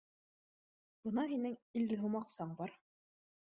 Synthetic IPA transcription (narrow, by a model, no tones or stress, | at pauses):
b̥ɤnɑɦinɘŋilːɘɦumɑqsɑɴbɑɾ